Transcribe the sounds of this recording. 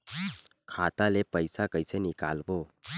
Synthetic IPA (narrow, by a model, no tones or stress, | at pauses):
kʰaːt̪alepəjsakəjsenɪka̰ːlboː